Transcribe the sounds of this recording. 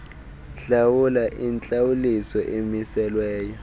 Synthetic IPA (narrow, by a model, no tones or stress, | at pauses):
ɬawulaʔint͡ɬʼawulisɔʔemisɛlwɛːjɔ